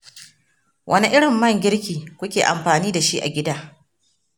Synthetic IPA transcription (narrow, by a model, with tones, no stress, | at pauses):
wʔɐ˦ni˦ʔɪ˦ɽɪ˨mːɐ˦˨ŋɡʲɪ˦ɽkʲiː˨kʷʊ˦kʲeː˨ʔa˨mɸaː˨niː˦da˨ʃi˦ʔa̰˨ɡʲɪ˦daː˦